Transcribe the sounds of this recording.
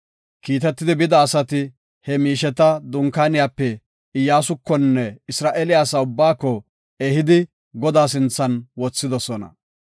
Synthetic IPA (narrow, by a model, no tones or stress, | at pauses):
kiːt̪ɛt̪ːɪd̪ɪbɪd̪ɐːsɐt̪ɪ | hɛmiːʃɛt̪ɐd̪ʊŋkaːnɪjaːpːɛ | ɪjːaːsʊkːɔnːɛɪsɾaːʔeːlɪjaːsaʊbːaːkːɔ | ɛhɪd̪ɪ | ɡɔd̪aːs̬ɪnt͡sːɐnwɔt͡sːɪd̪ɔsɔnɐ̰